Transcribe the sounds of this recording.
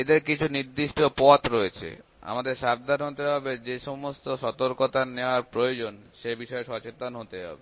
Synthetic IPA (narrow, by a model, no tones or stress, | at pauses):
ed̪eɾkit͡ɕʰuniɾd̪iʃʈopɔt̪ɾoet͡ɕʰḛ | a̰mad̪eɾʃab̚d̪ʱanɦot̪eɦɔbed͡ʑeʃɔmost̪oʃɔt̪oɾkot̪aneoaɾpɾojod͡ʑonʃebiʃɔeʃɔt͡ɕet̪anɦot̪eɦɔ̰be